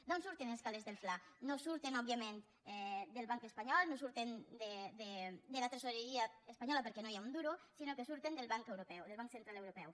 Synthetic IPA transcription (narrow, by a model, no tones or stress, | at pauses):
d̪ɔnsuɾt̪enleskalezðelflanosuɾt̪enɔb̚βiamen | ɛd̪əlˠβaŋkəspaɲɔlˠnosuɾt̪end̪ed̪ed̪əlat̪ɾesoɾeɾiaːspaɲɔlapəɾkɛnojaund̪uɾusinokesuɾt̪end̪əlˠβaŋkewɾupɛwðelβaŋksent̪ɾalewɾupɛw